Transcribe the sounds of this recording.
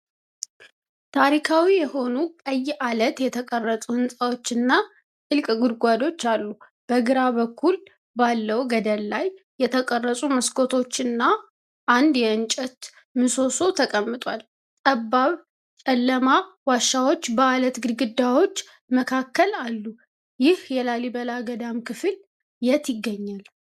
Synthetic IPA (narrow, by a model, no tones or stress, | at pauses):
t̪ʰaɾikʰawijɛho̞nukʼəjːʔalət̪jɛt̪ʰəkʼərːət̪ʼuhɨnsʼawo̞t͡ʃːɨnːa | ʔɨlkʼɡɨɾɡʷad̪o̞t͡ʃːalːu | b̥əɡɨɾaβəkʰːul | balːəwɡəd̪əlːajː | ɛt̪ʰəkʼərːəsʼuməskʰo̞t̪ʰo̞t͡ʃːɨnːa | ʔːnd̪jɛɨnt͡ʃʼɛt̪ | mɨso̞so̞t̪ʰəkʼəmːɨt̪ʼwal | t̪ʼəbːaβ | t͡ʃʼɛlːəmawaʃːawo̞t͡ʃːbəalət̪ɡɨd̪ɡɨd̪ːawo̞t͡ʃː | məkʰakːəlalːu | jɪhjɛlalibəlaɡəd̪amkʰɨfɨl | jɛt̪ʰɪɡːəɲːal